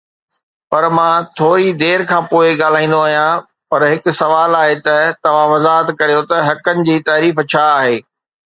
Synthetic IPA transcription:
pɐɾmãːt̪ʰoːɾid̪eːɾkʰãːpoːɪɠaːl̤aːĩːn̆d̪oaːɦijã | pɐɾɦɪkʊ̆sɐʋaːlaːɦet̪ɐt̪ɐʋ̤ãʋɐzaːɦət̪kɐɾijot̪ɐɦɐkənɪ̆d͡ʑiːt̪aːɾiːft͡ɕʰaːɦeː

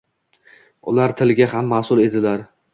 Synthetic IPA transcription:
ʊ̰laɾt̪ʰɪlɡʲahamːasʊlˠe̞d̪ɪlaɾ

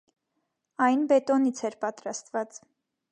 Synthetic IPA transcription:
ɑjnbɛt̪ɔnit͡sʰɛɾpɑt̪ɾɑst̪vɑt͡s

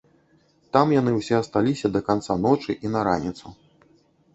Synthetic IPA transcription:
t̪amjan̪ɨwsʲɛɐst̪alʲisʲɐd̪ɐkant̪sanɔt͡ʂɨʔinɐɾa̰nʲit̪su

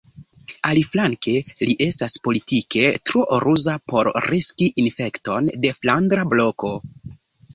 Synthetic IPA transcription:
aliflaŋke̞liʔe̞staspo̞litikʰe̞tɾoʔoɾuzapo̞ɾɾiskiʔinfe̞kto̞nde̞flandɾablo̞ko̞

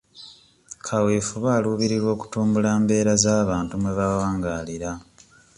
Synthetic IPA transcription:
kʰawiːfuβaːluːβiɾiɾwo̞ːku̥tuːmbulaːmbe̞ːɾazaːβaːntumweβawaːŋɡaːliɾa

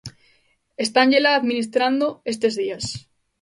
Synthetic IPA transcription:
e̞st̪anʝelaːðmĩnist̪ɾand̪oe̞st̪e̞zðias

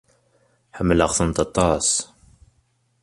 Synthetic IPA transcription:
ħəmːələqθənt̪ɑt̪ˤːɑs

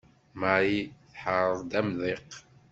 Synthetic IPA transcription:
maʕiθħəɾˤəðˤd̪æmðiq

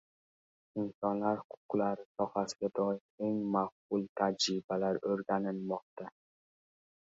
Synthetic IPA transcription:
ɪnsɒnlaɾhʊqʰʊqlaɾɪsɒhasɪɡʲad̪ɒjɪme̞ŋmafqʊlˠt̪ʰad͡ʒɾɪbalaɾɵɾɡʲanɪlmɒq̚t̪a

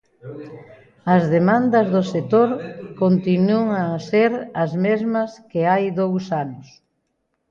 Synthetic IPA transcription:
ɐzðemãnd̪ɐzðoset̪oɾkont̪inuoŋaseɾɐzmezmɐskeajðowsanʊs

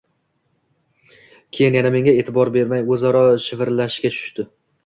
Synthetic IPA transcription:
kʲʰe̞jɪnjaname̞ŋʲae̞ːt̪ʰɪbɒɾbe̞ɾmajɵzaɾɒʃɪvɪɾlaʃkʲat͡ʃʰʊ̥ʃt̪ɪ

